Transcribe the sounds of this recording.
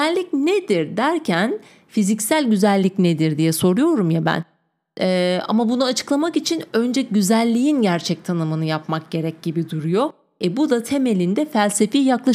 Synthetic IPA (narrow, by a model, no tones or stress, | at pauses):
ɛlʲːicned̪iɾd̪æɾcʰæn | fizicsælʲɟyzælʲːicned̪iɾd̪ijɛso̞ɾujo̞ɾumjabæ̰n | ɛa̰mabunuat͡ʃʰɯ̥klˠamakit͡ʃʰinø̞nd͡ʒɛɟyzælʲːijinɟæɾt͡ʃʰɛc̚t̪ʰanɯmɯnɯjapmak̚ɟ̥e̞ɾɛc̚ɟibid̪uɾujo̞ | ɛbud̪at̪ʰe̞me̞lʲind̪ɛfælʲse̞fijaklˠaʃ